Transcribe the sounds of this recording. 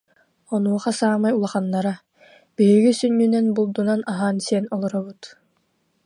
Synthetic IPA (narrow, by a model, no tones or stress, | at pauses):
ɔnuɔχasaːmajulˠaχanːaɾa | b̥iɦiɡisynːynɛnbulˠd̪unanaɦaːnsiɛnɔlˠɔɾɔbɯt̪